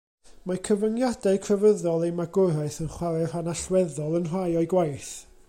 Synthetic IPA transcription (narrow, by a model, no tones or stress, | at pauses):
makʰəvənjadakʰrəvəðɔlˠejmaɡʊɾaɨθənχwaɾɛr̥anaɬwɛðɔlˠənr̥ajɔɨɡwajθ